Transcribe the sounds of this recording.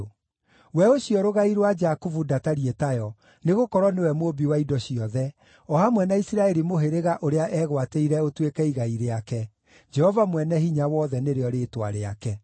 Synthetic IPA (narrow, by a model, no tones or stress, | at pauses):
wɛoɕjɔɾoɣaiɾwad͡ʒakuvudataɾietajɔ | neɣokɔɾɔnewɛmobiwaidɔɕiɔðɛ | ɔhamwɛnaisiɾaɛɾimoɦeɾeɣaʔoɾeaʔɛːɣwateiɾɛotwekɛiɣaiɾeakɛ | d͡ʒɛhɔvamwɛnɛɦiɲawɔːðɛneɾeɔɾetwa̰ɾea̰kɛ